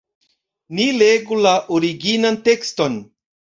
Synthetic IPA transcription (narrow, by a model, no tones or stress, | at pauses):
nileɡulaʔoɾiɡinante̞ksto̞n